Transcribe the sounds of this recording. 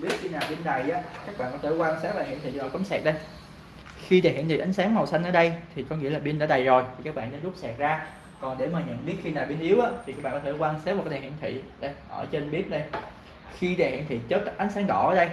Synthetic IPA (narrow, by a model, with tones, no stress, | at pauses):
ɓi˦˥ət̚xi˧naː˨˩wɓi˧nɗa˨˩jʔaː˨˦kaː˦˥k̚ɓa̰˧˨kɔ˨˦˥t̪e˧˩kwaː˧nsaː˦˥t̚ɗaː˨˩hi˧˨nt̪ʰḭ˧˨zo˨˩kɔ˨˦mŋ͡msɛ˨˩t̚ɗə˧j | xi˧ɗa˨˩hḭ˧˨nt̪i˨ʔjŋ̟saː˨˦ŋm˨˩wsa˧jŋ̟ʔəː˧˩˦ɗə˧jt̪ʰi˨˩kɔ˨˦ŋḭ˧˥əlaː˨˩ɓi˧nɗaː˧˩˦ɗa˨˩jzo˨˩jt̪ʰi˨˩kaː˦˥k̚ɓa̰˧˨ɗa̰ː˧˦zʊ˦˥p̚sɛ˨˩t̚zaː˧ | kɔ˨˩nɗe˧˩maː˨˩ɲə̰˧˨nɓi˦˥ət̚xi˧naː˨˩wɓe˧nʔi˨˦əwʔaː˨˦t̪ʰi˨˩kaː˦˥ɓaː˧˨kɔ˦t̪ʰe˧˩kwaː˧nsaː˦˥a˨˩kːɗa˨˩hḭ˧˨nt̪ʰḭ˧˨ɗə˧jʔəː˧˩t͡ɕe˧nɓi˦˥ət̚ɗə˧j | xi˧ɗaː˨˩hḭ˧˨nt̪ʰḭ˨˩t͡ɕəː˦˥t̚ːʔa˨˦ŋ̟saː˨˦ŋɗɔ̰˧˩əː˨˦ɗə˧j